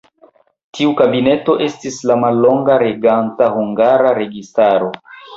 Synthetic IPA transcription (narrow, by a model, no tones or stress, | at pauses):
tiukabine̞to̞ʔe̞stislamalːo̞ŋɡaɾe̞ɡantahuŋɡaɾaɾe̞ɡistaɾo̞